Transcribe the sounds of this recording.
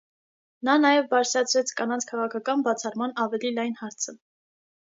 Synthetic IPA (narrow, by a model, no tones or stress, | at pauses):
nɑnɑjɛvbɑɾt͡sʰɾɑt͡sʰɾɛt͡sʰkɑnɑnt͡sʰkʰɑʁɑkʰɑkɑnbɑt͡sʰɑrmɑnɑvɛlilɑjnhɑɾt͡sʰə